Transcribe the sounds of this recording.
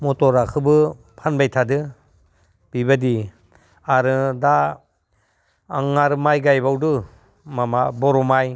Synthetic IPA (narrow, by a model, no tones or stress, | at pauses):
mɔtɔɾakʰɯbɯ | pʰanbajtʰadɯ | b̥ibadi | aɾɯda | ŋaɾɯmajɡajbawdɯ | mamabɔɾɔmaj